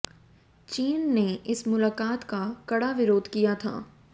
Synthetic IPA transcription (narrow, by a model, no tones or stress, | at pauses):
t͡ʃiːnːeɪsmʊlaːkaːt̪kakɐɽaʋɪɾoːd̪ʱkijat̪ʰa̰ː